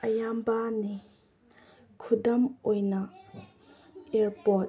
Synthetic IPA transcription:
ʔɐjambani | kʰudɐmʔojnɐ | eɾpɔt̚

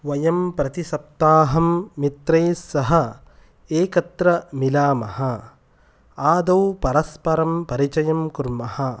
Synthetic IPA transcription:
ʋɐjɐmpɾɐt̪isɐp̚t̪aːɦɐmːit̪ɾeːsːɐɦɐ̆ | eːkɐt̪ɾɐmilaːmɐhɐ | aːd̪ɐwpɐɾɐspɐɾɐmpɐɾit͡ʃɐjɐmkuɾmɐhɐ

